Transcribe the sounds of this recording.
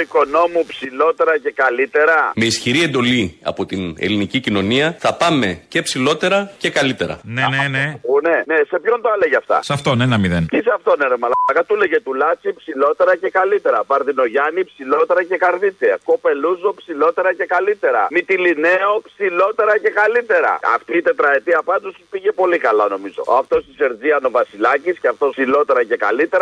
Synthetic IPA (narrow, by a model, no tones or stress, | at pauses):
iko̞no̞mupsilo̞t̪e̞ɾɐce̞kɐlit̪e̞ɾɐme̞isçiɾie̞nd̪o̞liɐ̰po̞t̪ine̞̰linicicino̞niɐθɐpɐme̞ce̞psilo̞t̪e̞ɾɐce̞kɐlit̪e̞ɾɐ̰nenenepune̞nese̞pço̞nd̪oɐleʝɐft̪ɐ̰sɐft̪onenɐmiðent̪isɐft̪o̞neɾemɐlɐɐɣɐt̪ule̞ʝe̞t̪ulɐt͡sipsilo̞t̪e̞ɾɐce̞kɐlit̪e̞ɾɐvɐɾðino̞ʝɐnipsilo̞t̪e̞ɾɐce̞kɐɾðit͡s̪iɐ̰ko̞peluzopsilo̞t̪e̞ɾɐce̞kalit̪e̞ɾɐ̰mit̪ilineo̞psilo̞t̪e̞ɾɐce̞kalit̪e̞ɾɐ̰ɐ̰ft̪iːt̪e̞t̪ɾɐet̪iɐpɐnd̪ospiʝe̞po̞likɐlɐno̞mizo̞̰ɐft̪o̞st̪ise̞ɾziɐno̞vɐsilɐcisceɐft̪o̞silo̞t̪e̞ɾɐce̞ka̰lit̪e̞ɾɐ